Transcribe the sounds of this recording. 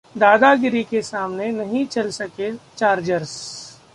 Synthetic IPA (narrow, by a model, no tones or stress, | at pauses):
d̪aːd̪aɡɪɾikesaːmnenɐɦĩt͡ʃɐlsɐket͡ʃaːɾd͡ʒəɾs